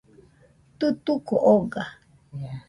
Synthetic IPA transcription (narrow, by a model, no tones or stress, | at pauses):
t̪ɨt̪ukoʔoɡa